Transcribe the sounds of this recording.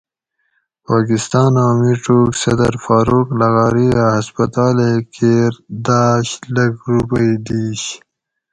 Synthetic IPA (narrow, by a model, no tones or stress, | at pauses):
paːkist̪ɑːnaːmiʈoːksɐ̰d̪ɐ̰ɾfaːɾuklɐɣaːɾiahɐspɐt̪ɑːlekʰeɾd̪aːɕlɐɡɾupəjd̪iːɕ